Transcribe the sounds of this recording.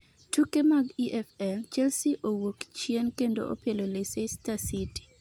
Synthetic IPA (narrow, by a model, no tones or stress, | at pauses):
tʰukemaɡiʔɛfɛlt͡ʃɛlsiʔowokt͡ʃjenkendo̰ʔo̰pelolesestasiti̥